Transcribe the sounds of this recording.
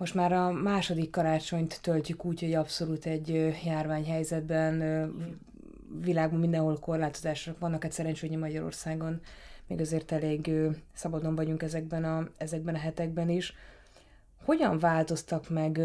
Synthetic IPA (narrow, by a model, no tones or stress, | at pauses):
moʃt̪maːɾɒmaːʃo̞d̪ikːɒɾaːt͡ʃo̞ɲt̪ːølt̪ykuːcho̞ɟɒpso̞luːt̪ɛɟːøjaːrvaːɲɦɛjzɛd̪bɛn | vilaːɡbɒmind̪ɛnɦo̞lko̞rlaːt̪o̞zaːʃokʋɒnːɒkɛt̪ʲsɛɾɛnt͡ʃøːjɛmɒɟɒɾo̰rsaːɡo̞nmḛːɡɒzeːrt̪ɛleːɡøːsɒbɒd̪o̞ɱvɒɟuŋkɛzɛɡ̚bɛnɒɛzɛɡ̚bɛnɒɦɛt̪ɛɡ̚bɛniʃ | ho̞ɟɒɱvaːlt̪o̞st̪ɒkmɛɡ